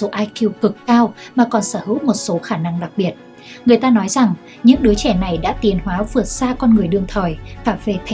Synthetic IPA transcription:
so˨˦ʔaː˧jki˧wkɨ˨˩kkaː˧wmaː˨˩kɔ˨˩nsəː˧˩hɨ̰˧˥w̚mo˨˩t̚so˨˦xaː˧˩na˧ŋɗa˨˩k̚ɓi˨˩ət̚ | ŋɨ˩əjt̪aː˧nɔ˨˦jza˨˩ŋ | ɲɨ̰˧˥ŋɗɨ˨˦t͡ɕɛ˧˩na˨˩jɗa̰ː˧˥t̪i˨˩ənhwaː˨˦vɨ˨˩ət̚saː˧kɔ˧nŋɨ˨˩əjɗɨ˨˩əŋt̪ʰəː˨˩jfaː˧˩ve˨˩t̪ʰ

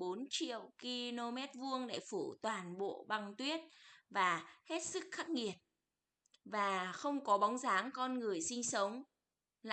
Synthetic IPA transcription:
o˨˦nt͡ɕḭ˧˨əwki˧lo˧mɛ˦˥t̚vu˧əŋɗḛ˧˩fu˧˩t̪waː˨˩nɓo̰˧˨ɓa˧˩ŋt̪wi˦˥ət̚vaː˨˩he˦˥t̚sɨ˦˥k̚xaː˦˥k̚ŋi˨˩ət̚ | vaː˨˩xə˧wŋ͡mkɔ˨˦ɓɔ˨˦wŋ͡mzaː˨˦ŋkɔ˧nŋɨ˨˩əjsï˧ŋ̟sə˨˦wŋ͡m | l

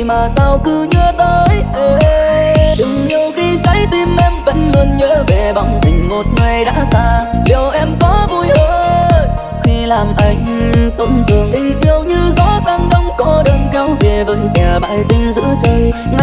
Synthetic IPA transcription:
maː˨˩saː˧wkɨ˧ɲɨ˧ət̪əː˧˦jʔəː˨˩ʔɗɨ˨˦ŋɲi˨˩əwxi˧t͡ɕa˨˦˥jt̪i˧mʔɛ˧mvə̰˧˥nlə˧nɲə̰ː˧˥ve˨˩ɓa˧˩wŋ͡mt̪ï˨˩ŋ̟mo˨˩t̚ŋa˨˩jɗa̰ː˧˥saː˧li˨˩wʔɛ˧mkɔ˨˦vu˧jhəː˧˦ | xi˧laː˨˩mʔa˧˩jŋ̟t̪ə̰˧˩wŋ͡mt̪ɨ˨˩ŋʔ̪i˧ŋʔi˧əwɲɨ˧zɔ̰˧˥zaː˨˩ŋɗə˧wŋ͡mkɔ˨˦ɗəː˧nka˧˦wve˨˩və̰˧˥nkɛ˨˩ɓa̰ː˧˨˩jt̪i˧mzɨ̰˧˥ət͡ɕə˧˩jŋa˧

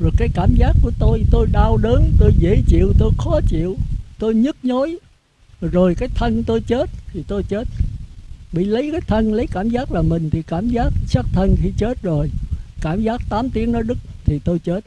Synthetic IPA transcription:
zo˨˩jkaː˨˦jkaː˧˩mzaː˦˥kːu˧˩ət̪o˧jt̪o˧jɗaː˧wɗəː˨˦nt̪o˧jzḛ˧˥t͡ɕḭ˧˨əwt̪o˧jxɔ˨˦t͡ɕḭ˧˨ə˨wt̪o˧jɲɨ˦˥t̚ɲo˨˦j | zo˨˩jkaː˨˦jt̪ʰə˧nt̪o˧jt͡ɕe˦˥t̚t̪ʰi˨˩t̪o˧jt͡ɕe˦˥t̚ | ɓḭ˧˨lə˨˦jkaː˨˦jt̪ʰə˧nlə˨˦jkaː˧˩mzaː˦˥k̚laː˨˩mï˨˩ŋ̟t̪ʰi˨˩kaː˧˩mzaː˦˥k̚sa˦˥k̚t̪ʰə˧nxi˧t͡ɕe˦˥t̚zo˨˩jkaː˧˩mzaː˦˥k̚t̪aː˨˦mt̪i˨˦əŋnɔ˨˦ɗɨ˦˥k̚t̪ʰi˨˩t̪o˧jt͡ɕe˦˥t̚

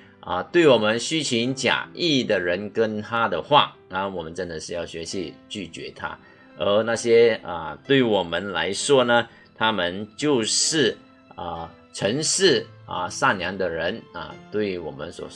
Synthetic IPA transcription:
ə̰˨t̪we˥˩ɪwɔ˨˩mə˧˦nɕy˥t͡ɕʰi˧˥ŋt͡ɕja̰˨˩i˥˩d̪ə˩ɻə˧˥nkə˥nt̪ʰa˥d̪ə˨xwa˥˩ | ə˩wɔ˨˩mə˦nʈ͡ʂə˥nd̪ə˨ʂɻ̩˥˧jɑ˥˩ʊɕɥɛ˧˥ɕi˧˥t͡ɕy˥˩t͡ɕɥɛ̰˧˥t̪ʰa̰˥ | ə˧˥na˥˩ɕjɛ˥ə̰˧t̪we˥˩ɪwɔ˨˩mə˦nla̰˧˥ɪʂwɔ˥nə˨ | t̪ʰa˥mə˨nt͡ɕjo˥˧ʊʂɻ̩˥˩ | ə˧ | ʈ͡ʂʰə˧˥ŋʂɻ̩˥˩ə̰˨˩sa˥˩nja˧˥ŋd̪ə˨ɻə˧˦nə̰˨˩t̪we˥˩ɪwɔ˨˩mə̰˦nswɔ̰˨˩

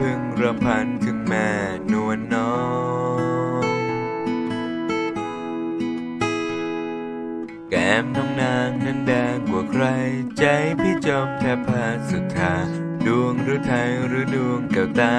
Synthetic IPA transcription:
pʰɯ˧ŋɾa˧pʰa˧˥nt̪ʰɯ˧˩ŋmɛː˧˩ | nu˧˩ənːɔː˦˥ | ŋ | kɛː˨˦mnɔː˧˩ŋnaː˧˥ŋna˧˥ndɛː˧ŋkwaː˩kʰɾa˧jt͡ɕa˦˥jp̪ʰiː˥˩t͡ɕɔː˧˩m̚t̪ʰɛː˧˥pʰːa˧˩˧su˨˩t̪ʰːaː˨˧˦ | du˧əŋɾɯː˨˦˥t̪ʰa˧˥jɾɯː˨˦du˧əŋkaː˨˩wt̪aː˧

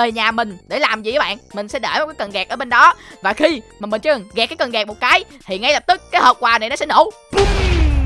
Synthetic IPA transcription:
əː˨˩ɲaː˨˩mï˨˩ŋ̟ɗe˧˩laː˨˩mzḭ˨aː˨˦ɓa̰ː˧˨nmï˨˩ŋ̟sɛ̰˧˥ɗḛ˧˩vaː˨˦kaː˨˦kə˨˩nɣɛː˨˩k̚ʔəː˧˦ɓe˧nɗɔ˨˦vaː˨˩xi˧maː˨˩mï˨˩ŋ̟t͡ɕɨ˧˦ə˨˩ŋɣaː˨˩kaː˨˦jkə˨˩nɣɛː˨˩k̚mo˨˩t̚kaː˨˦jt̪ʰi˨˩ŋa˨˦jlə˨˩p̚t̪ɨ˦˥k̚ːaː˨˦jhəː˨˩p̚kwaː˨˩na˨˩nɔ˨˦sɛ̰˧˥no̰˧˩˦

